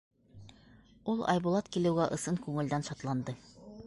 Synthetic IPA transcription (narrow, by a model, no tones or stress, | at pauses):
ulˠɑ̰jbŭlˠɑt̪kilɘ̆wɡæʔɤ̆sɤŋkʉŋɘ̆ld̪ænʃɑt̪lˠɑnd̪ɤ